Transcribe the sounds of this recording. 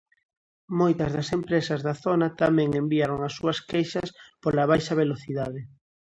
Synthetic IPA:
mojt̪ɐzðɐsempɾesɐzðaθonɐt̪amɛ̃ŋembiaɾoŋasːuɐskejʃɐspolaβ̞ajʃɐβ̞eloθiðaðɪ

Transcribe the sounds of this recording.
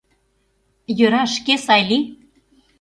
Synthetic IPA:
jøɾɑʃkesɑjlʲi

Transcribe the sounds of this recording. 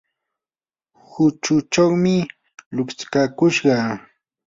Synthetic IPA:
hʊt͡ʃʊt͡ʃawmɪ | lʊkt͡skakʊʃɢɑ

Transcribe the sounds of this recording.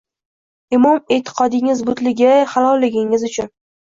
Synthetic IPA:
ɪmɒmet̪ʰɪ̥qʰɒd̪ɪŋɪzbʊt̪lɪɡʲahalˠɒlːɪɡʲɪŋɪzʊt͡ʃʰʊn

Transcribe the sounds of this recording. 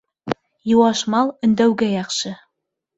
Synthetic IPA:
juwɑʃmɑlˠɵ̆nd̪æwɡæjɑχʃɤ

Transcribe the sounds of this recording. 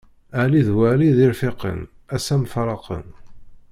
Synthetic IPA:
aʕliðwæʕliðɪɾfɪqə̰n | æsæmfɾˤɑqə̰n

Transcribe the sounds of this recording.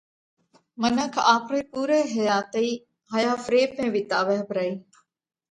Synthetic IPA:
mənəkʰaːxɾeːpuːɾeːɦɐjaːt̪ɐiː | ɦɐjaːfɾeːpẽːʋɪt̪aːʋəɦbɾaiː

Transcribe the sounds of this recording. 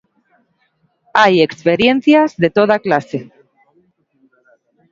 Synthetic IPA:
ajekspeɾje̞nθjazðe̞t̪o̞ð̞aklase

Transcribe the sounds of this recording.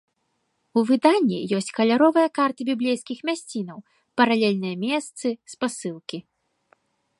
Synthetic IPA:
uvɨd̪anʲːḭjɔsʲt͡sʲkɐlʲaɾɔvɨjɐkart̪ɨbʲiblʲejskʲixmʲasʲt͡sʲin̪ɐw | pɐɾalʲɛlʲnɨjɐmʲɛst̪sɨspasɨlˠkʲi

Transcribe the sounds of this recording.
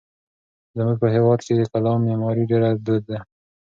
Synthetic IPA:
zəmuɡ̚pəɦewɑd̪ked̪əkalɑmːemɑɾiɖeɾad̪ud̪̚ːa

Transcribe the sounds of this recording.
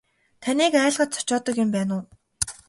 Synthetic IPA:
t̪ʰaniːkæːɮʁə̆t̪̚t͡sʰʊ̥t͡ɕɔːt̪ə̆kjʊmpæːnʊː

